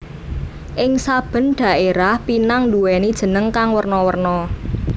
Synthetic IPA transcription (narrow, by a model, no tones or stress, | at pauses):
ʔɪŋsab̥ə̤nɖ̥ä̤ʔeɾahpinaŋduwɛnid̥ʒ̥ə̤nəŋkaŋwərnɔwərnɔ